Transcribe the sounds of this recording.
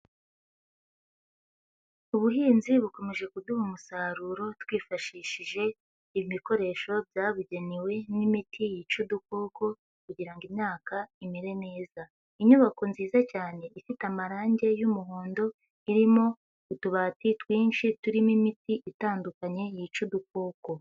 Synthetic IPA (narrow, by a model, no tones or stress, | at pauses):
uβuɦiːnziβuko̞me̞ʒe̞kuduhumusaːɾuɾo̞twiːfaʃiːʃiʒe̞ | iβiβiko̞ɾe̞ʃo̞bjaːβuɟe̞niwe̞nimitʰijit͡ʃuduko̞ːko̞ | kuɟiɾaŋɡimɲaːkaimiɾe̞ne̞ːza | iɲuβako̞nziːzacaːne̞ʔifitamaɾaːɲɟe̞jumuɦoːndo̞ | iɾimo̞ | kutuβatitwiːnʃituɾimimitiʔitaːndukaɲe̞jit͡ʃuduk̚o̞ːko̞